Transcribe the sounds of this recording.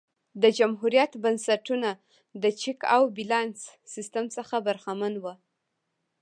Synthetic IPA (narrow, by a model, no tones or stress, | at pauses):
d̪əd͡ʒamɦuɾjat̪bansaʈuna | d̪ət͡ʃɪka̰wbilɑnsːɪst̪amsəxabaɾxamanwə